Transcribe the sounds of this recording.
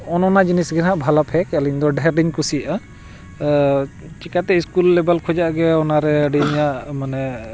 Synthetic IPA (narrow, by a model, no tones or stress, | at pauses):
ɔnɔnad͡ʒinisɡinɦaʔbʱalapʰɛkəliɲd̪ɔɖɛɾɖiɲkusijaʔa | t͡ʃikat̪ɛiskulːɛbalkʰɔd͡ʒaʔɡɛɔnaɾɛəɖiɲaʔmanɛ